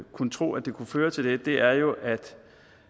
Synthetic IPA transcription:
kʰunət͡sʰʁo̝̰ːæd̥e̝kʰuføːɐt͡sʰe̝lded̥e̝ʔæɐjo̝ʔæd̥

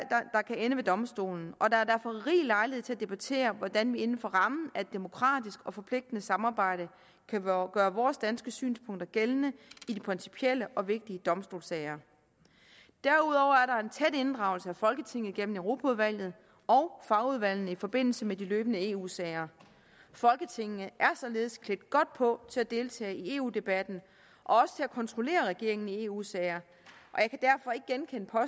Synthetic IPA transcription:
d̥ɑ̈kʰæenəʋe̝d̥ɒ̽msd̥o̝̰ːln̩ɒ̽d̥ɑ̈æɐd̥æɐfɒ̽ʁḭːlɑ̈ɪlhet͡sʰe̝æd̥e̝b̥æt͡sʰe̝̰ːɐʋɒd̥ænʋie̝nn̩fɒ̽ʁɑ̈mn̩æed̥ːe̝mo̝kʰʁɑ̰̈ːd̥isɡ̥ɒ̽fɒ̽pʰle̝ɡ̥̚d̥ənəsɑ̈mɑ̈ːb̥ɑ̈ɪ̰ɾ̥ə | kʰæɡ̥ɶːɐʋɒːsd̥ænsɡ̥əsy̰ːnspʰɔ̽ŋ̰d̥ɐɡ̥elnəidipʰʁinsi̥pʰiel̰əʔɒ̽ʋe̝ɡ̥̚d̥iəd̥ɒ̽msd̥o̝̰ːlsɛɪɐ | d̥æɐuð̞ˠɒʊ̰ɐæɐɾɑ̈e̝nt͡sʰed̥e̝nd̥ʁɑ̈ʊl̩səæfɒ̽lɡ̥ət͡sʰe̝ŋ̰ð̩ˠɡ̥en̰m̩eʊʁo̝pʰæuðˠʋæl̰jð̞̩ˠ | ɒ̽ʊfɑ̈ʊuð̞ˠʋæl̰nəifɒ̽b̥e̝n̰l̩səmediløːb̥ənəe̝ːṵːsɛɪɐ | fɒ̽lɡ̥ət͡sʰe̝ŋ̰nəʔæɐsɒ̽le̝ːð̞ˠskʰleɡ̚d̥ɡ̥ɒ̽d̥̚pʰɒ̽t͡sʰe̝læd̥e̝lt͡sʰɛ̰ːie̝ːṵːd̥e̝b̥æd̥n̩ | ʔɒ̽ɒ̽sə̥t͡sʰe̝ækʰɒ̽nt͡sʰʁo̝le̝̰ːɐʁɛɡ̥e̝ɐ̰e̝ŋn̩ie̝ːṵːsɛɪɐ | ʔɒ̽jɑ̈ɪkʰæd̥æɐfɒ̽e̝ɡ̥̚ɡ̥enkʰenəpʰɒ̽

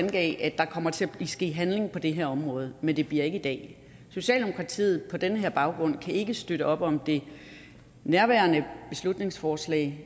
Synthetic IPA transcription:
nɡ̥ɛ̰ːʔæd̥ɑ̈kʰɒ̽m̰ɐt͡sʰe̝æ̥isɡ̥e̝̰ːɦænle̝ŋpʰɒ̽d̥e̝ɦeɐɒ̽mʁɔ̽ːð̞̩ˠmend̥e̝b̥liɐe̝ɡ̥əid̥ɛ̰ː | so̝ɕɛ̰ːld̥e̝mo̝̥kʰʁɑ̈t͡sʰḭːð̩ˠpʰɒ̽d̥enəɦeɐb̥ɑ̈ʊɡ̥ʁɔ̽n̰kʰæe̝ɡ̥əsd̥øɾ̥əʔɒ̽b̥ɒ̽md̥e̝ | næɐʋæːɐnəb̥e̝slud̥ne̝ŋsfɒːslɛ̰ː

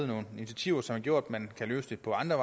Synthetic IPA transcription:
ð̩ˠno̝ːnenit͡sʰæt͡sʰiʊ̰ɐsɒ̽mæɐɡ̥jo̝ɐ̰d̥mænkʰælø̰ːsd̥e̝pʰɒ̽ɑ̈nd̥ʁɐʋɑ̈

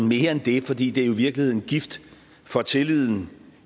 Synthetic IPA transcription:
n̩me̝ːɐend̥e̝fɒ̽d̥ḭːd̥eæɐoiʋiɐɡ̥lihe̝ð̰ˠn̩ɡ̥ifd̥ | fɒ̽t͡sʰe̝lið̰ˠn̩

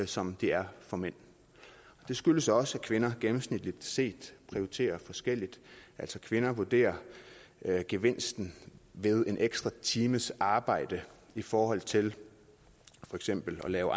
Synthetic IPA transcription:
sɒ̽md̥iæɐfɒ̽men̰ | ɒ̽d̥e̝sɡ̥yləsɒ̽səækʰʋe̝nɐɡ̥emm̩snid̥lid̥se̝̰ːd̥pʰʁioit͡sʰe̝̰ːɐfɒ̽sɡ̥el̰id̥ʔæl̰sɒkʰʋe̝nɐʋuɐd̥e̝̰ːɐ | ɡ̥e̝ʋe̝n̰sd̥n̩ʋe̝ð̞ˠe̝nʔeɡ̥sd̥ʁɑ̈t͡sʰiːməsɑ̈ːb̥ɑ̈ɪ̰d̥ə | ifɒːhɒ̽l̰t͡sʰe̝l | fɒ̽eɡ̥sem̰b̥l̩ɒ̽lɛːʊʔ

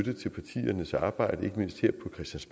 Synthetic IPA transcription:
d̥ət͡sʰe̝lpʰɑ̈t͡sʰḭːɐnəsɑ̈ːb̥ɑ̈ɪ̰d̥əe̝ɡ̥əme̝n̰sd̥ʰheɐ̰̥pʰɒ̽kʰʁɛsd̥ænsb̥

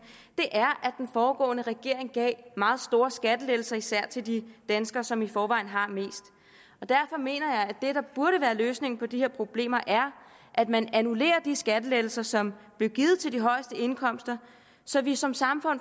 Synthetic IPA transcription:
d̥e̝ʔæɐʔæd̥enfɒːɡ̥ɔ̰ːnəʁɛɡ̥e̝ɐ̰e̝ŋɡ̥ɛ̰ːmɑ̈ːð̩ˠsd̥o̝ːɐsɡ̥æd̥əleːl̩sɐisæɐ̰t͡sʰe̝ld̥id̥ænsɡ̥ɐsɒ̽mifɒːʋɑ̈ɪn̩ɦɑ̈me̝̰ːsd̥ | ɒ̽d̥æɐfɒ̽me̝̰ːnɐjɑ̈ɪæd̥e̝ɾ̥ɑ̈b̥uɐɾəʋæːɐløːsne̝ŋn̩pʰɒ̽d̥iheɐpʰʁo̝b̥le̝̰ːmɐʔæɐ | ʔæd̥mænænule̝̰ːɐd̥isɡ̥æd̥əleːl̩sɐsɒ̽mb̥le̝ʊɡ̥ið̩ˠt͡sʰe̝ld̥iɦɒ̽ɪəsd̥əe̝nkʰɒ̽m̰sd̥ɐ | sɒ̽ʋisɒ̽msɑ̈mfɔ̽n̰

